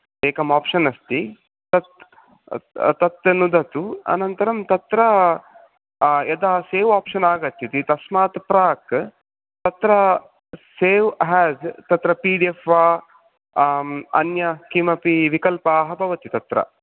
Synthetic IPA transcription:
eːkɐmaːpʂɐnɐst̪i | t̪ɐt̪ | t̪ɐt̪nud̪ʱɐt̪uɐ̰nɐnt̪ɐɾɐmt̪ɐt̪ɾɐ | ed̪aːseːʋaːpʂɐnaːɡɐt̪ʰːit̪it̪ɐsmaːt̪pɾaːk | t̪ɐt̪ɾɐ | seːʋɦɛːzt̪ɐt̪ɾɐpiːɖiefaː | ɐ̰njɐkimɐpiʋikɐlpɐːɦɐbʱɐʋɐt̪it̪ɐt̪ɾɐ̰

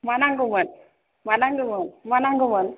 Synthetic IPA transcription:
manaŋɡumən | manaŋɡumənmanaŋɡumən

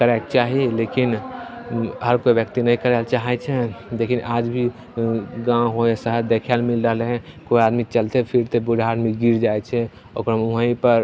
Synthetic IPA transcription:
kəɾek̚t͡ʃaɦilekin | ɦəɾkobjək̚t̪inəĩkəɾɛlt͡ʃaɦɛt͡ʃʰɛd̪ekʰinʔad͡ʒbʱi | ɡãɦoesəɦəɾd̪ekʰɛlmilɾəɦlɦɛ̃koad̪mit͡ʃəlt̪epʰiɾt̪ebudʱaːd̪miɡiɾd͡ʒajt͡ʃʰɛ | o̰kɾəmuɦə̃ĩpəɾ

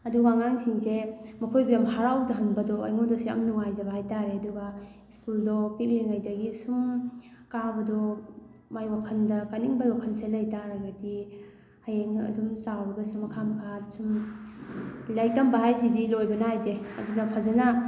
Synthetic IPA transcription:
ɐduwaŋaŋsiŋsemɐkʰojbijamhaɾawzaɦɐnbɐdɔa̰jŋodɔsiɐ̰mnuŋajzɐbahajtaɾeɐduɡɐ | iskuldɔpik̚liŋajdɐɡisum | kabɐdɔ | majwakʰɐndɐkaniŋbawakʰɐnselɐjtaɾɐɡadi | ajeŋɐ̰dumsawɾɐɡɐsumɐkʰamkʰat̚sum | lɐjtɐmbɐɦajsidilojbɐnajdeɐ̰dunɐpʰazɐnɐ

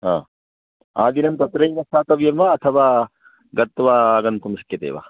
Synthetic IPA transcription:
ɦã̰ː | aːd̪inɐmt̪ɐt̪ɾɐjnɐsaːt̪ɐʋjɐmʋaːt̪ʰɐʋaː | ɡɐt̪ːʋaːɡɐnpumiskjɐt̪ḛːʋa̰ː

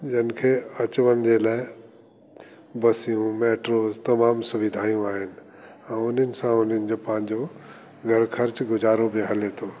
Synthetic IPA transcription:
d͡ʑɐnɪ̆kʰeːɐt͡ɕʊʋənɪ̆d͡ʑeːlaːɪ | bɐsijũmeːʈɾoːzt̪ɐmaːmsʊʋɪd̪ʱaːijũaːɦɪnɪ̆ | ɛ̃ːʊn̤ənɪ̆sãʊn̤ənɪ̆d͡ʑoːpɐ̃ɦɪ̃ɲd͡ʑo | ɡʱɐɾkʰɐɾt͡ɕɡʊzaːɾobɪɦɐlet̪ʰoː

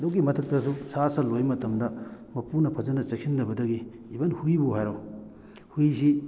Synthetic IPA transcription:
dɔwk̬imɐtʰɐk̚tɐsusasɐlojmɐtɐmdɐmɐpunɐpʰɐzɐnɐt͡ʃɐk̚sʰindɐbɐdɐɡiː | bɐnhujbuɦajɾaw | hujsi

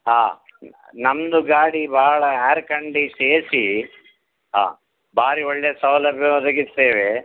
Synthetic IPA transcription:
ɦaː | nɐmd̪uɡaːɽibʱaːɭɐaːɾkɐɳɖiseːsi | ɦa̰ː | bʱaːɾiɔɭːesɐwlɐbjɐɐd̪ɐɡieːʋe

